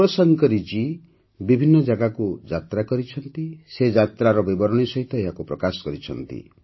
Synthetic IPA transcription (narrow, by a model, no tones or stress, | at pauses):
ɾɔsɔŋkɔɾid͡ʒi | bibʱinːɔd͡ʒaɡakud͡ʒat̪ɾakɔɾit͡ʃʰɔnt̪ised͡ʒat̪ɾaɾɔbibɔɾɔɽ̃isɔɦit̪ɔeɦakupɾɔkasɔ̥kɔɾit͡ʃʰɔ̰nt̪ḭ